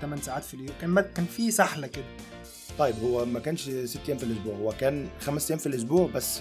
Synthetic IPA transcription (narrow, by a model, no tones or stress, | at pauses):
t̪æmænsaʕaːt̪filʔjukæːnbækæːnfisaħlakɪd̪æ | t̪ˤɑjːɪbhʊwːæmækæːnʃsɪt̪ːjæːmfilʔʊsbuːʕʊwækæːnxæmsjæːmfilʔʊs̬buːʕbæsː